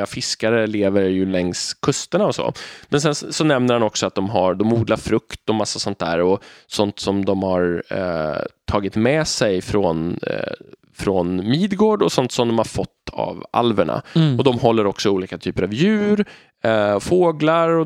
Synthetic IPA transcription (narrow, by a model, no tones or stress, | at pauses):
afɪskaɾəleːvəɾjɵlɛŋskʰɵst̪əɳaɔsɔ̰mɛns̬ɛnsɔnɛmnəɾhanɔksɔat̪̚d̪ɔmɦaɾd̪ɔmuːd̪laɾfɾɵkt̪ɔmasːasɔnt̪̚dæ̰ːɾɔsɔnt̪sɔmd̪ɔmhaɾ | t̪ʰɑːɡɪt̪mɛsɛjfɾɔn | fɾɔnmiːd̪ɡoːɖɔsɔnt̪sɔmd̪ɔmhaɾfɔt̪ːa̰va̰lvəɳa̰ɔd̪ɔmɦɔlːəɾɔksɔuːliːkat̪ʰyːpəɾavjʉ̟ːɾ | foːɡlaɾɔ